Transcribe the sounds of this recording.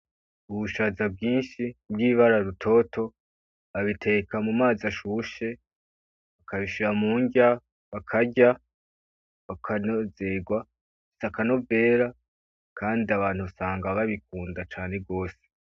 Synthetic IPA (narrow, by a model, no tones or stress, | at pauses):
uβuʃaːzab̚ɡiːnʃibɡiːβaɾaɾutʰo̞tʰo̞ | aβitʰe̞kamumaːzaʃuːʃe̞ | βakʰaβiʃiɾamuːɲɟa | βakʰaɟa | βakʰanozeɡwa | isakano̞bve̞ːɾa | kʰaːndiaβaːn̥huβasaːŋɡaβaβik̚uːndat͡ʃaːne̞ɡo̞ːse̥